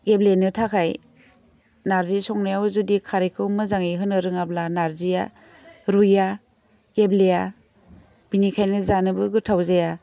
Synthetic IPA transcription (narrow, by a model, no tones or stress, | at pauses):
ɡeblenɯtʰakʰaj | naɾzisɔŋnajawzudikʰaɾekʰɯwmɯzaŋijɦɯnɯɾɯŋablanaɾzija | ɾuja | ɡebleja | b̥inikʰajnɯzanɯbɯɡɯtʰawzaja